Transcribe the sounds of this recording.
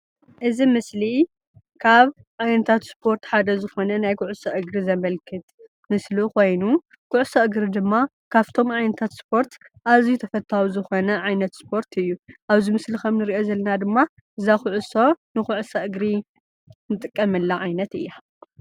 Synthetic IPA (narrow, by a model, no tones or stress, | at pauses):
ʔɨzimɨsli | kʰaβ | ʕajnɐt̪ʰat̪spʰo̞ɾt̪ħad̪ɐzɨxo̞nɐnajkʰʊʕusɐʔɨɡɾizɐmɐlkʰɨt̪ | mɨsluko̞jnu | kʰʊʕʊsoʔɨɡɾid̪ɨmːa | kʰaβt̪ʰo̞mʕajnɐt̪ʰat̪spʰo̞ɾt̪ | ʔaβzit̪ʰɐfɐt̪ʰːawuzɨxo̞nɐʕajnɐt̪spʰo̞ɾt̪ʰɨjːuʔaβzimɨslikʰɐmnɨɾiʔo̞zɐlːɐnad̪ɨmːa | ʔɨzaxʊʕuso̞nɨxʊʕsɐʔɨɡɾi | nɨt̪ʼɨkʼːɐmɨlːaʕajnɐt̪ɨ̰jːa